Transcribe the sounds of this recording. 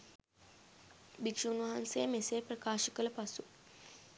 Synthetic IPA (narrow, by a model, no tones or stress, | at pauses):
bikʂuunʋɐɦansejəmesejprəkaːʃəkələpasu